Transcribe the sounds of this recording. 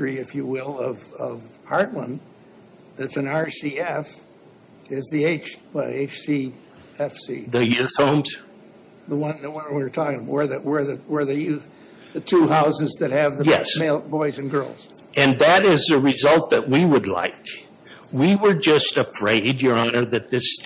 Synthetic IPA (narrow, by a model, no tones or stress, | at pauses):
ɹiɨfjɨwɪlˠʌvʌv | hɑɹtˡlə̰̃n | ðætsɨ̃nɑɹsiɛf | ɪzðieɪt͡ʃwɛ̰eɪt͡ʃsi | ɛfsḭðɨjʉθhõʊ̃mz̥ | ðəwʌ̃nðɨwʌ̃nəwwə˞tʰɔkɪ̃ŋwə˞ðɨʔwə˞ðɨwə˞ðɨjʉθ | ðɨtʰuɦaʊzɨzðɨt̚hɨvðɨjɛseɪlˠbɔɪzɨ̃nɡɜ˞lˠz̥ | ʔɨ̃nðɨɾɪzɨɹɪzʌlˠt̪̚ðɨʔ̚wiwədˡla̰ɪk | wiwə˞d͡ʒʌstɨfɹeɪd͡ʒjə˞ɑnə˞ðɨt̪̚ðɪs